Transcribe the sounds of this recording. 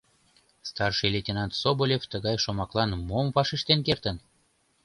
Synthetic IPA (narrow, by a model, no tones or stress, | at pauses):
st̪ɑrʃilʲet̪ʲenɑnt̪sobolʲeft̪əɣɑjʃomɑklɑnmomvɑʃiʃt̪enkert̪ən